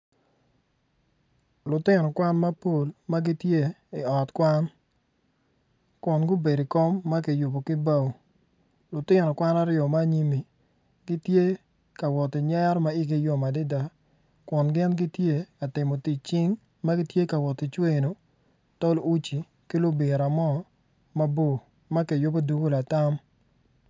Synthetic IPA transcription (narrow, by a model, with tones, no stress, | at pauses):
lʊ˨tɪ˦nɔ˨kwa˦nma˦po˨lma˦ɡi˦tje˦ɪ˨ɔ˨tkwa˦n | kʊ˨nɡʊ˦be˨di˨kɔ˦mːa˦kɪ˨jʊ˨bo˨kɪ˦ba˦˨w | lʊ˨tɪ˦nɔ˨kwa˦na˦ɾjɔ˨ma˦˨ɲi˦mi˨ | ɡɪ˦tje˦ | ka˨wɔ˨tɪ˨ɲɛ˦ɾma˦ɪ˦ɡi˨jo˦ma˨dɪ˦da˦ | kʊ˨nɡɪ˦nɡɪ˦tje˦ka˨tɪ˨mo˨ti˨t͡ʃɪ˦ŋ | ma˦ɡɪ˦tje˦ka˨wɔ˨tɪ˨t͡ʃwe˦no˨ | tɔ˦lu˦t͡ʃi˨ | kɪ˦lʊ˦bɪ˨ɾa˨mɔ˦ | ma˦bo˦˨ | ma˦ke˨jʊ˦bo˦du˦ɡo˦la˨ta˦m